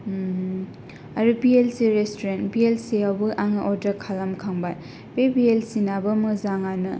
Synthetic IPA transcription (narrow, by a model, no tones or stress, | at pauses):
ɐɾubielsiɾestoɾentbielsiawbɯʔaŋʔɔɾdɐkʰalamkʰaŋba | bebielsinabɐmɐzaŋanɯ